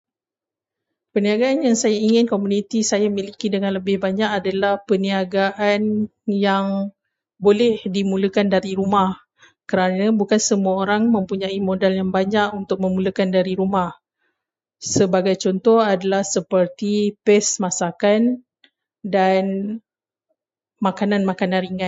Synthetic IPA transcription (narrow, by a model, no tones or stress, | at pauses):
pəniaɡaanjaŋsajaiŋɪnkomunit̪isajamilikidəŋanləbɪhbaɲakadalahpəniaɡaʔanjaŋ | bolɛhdimuləkandaɾiɾumah | kəɾanabukansəmuaoɾaŋmə̃mpuɲaimodaljaŋbaɲaʔunt̪ʊk̚mə̃muləkandaɾiɾumah | səbaɡajt͡ʃɔnt̪ɔhadalahsəpərt̪ipɛsmasakan | dan | makanãnmakananɾiŋan